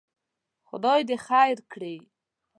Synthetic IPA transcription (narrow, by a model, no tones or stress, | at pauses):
xʊ̰d̪ɑjd̪exajɾkɽe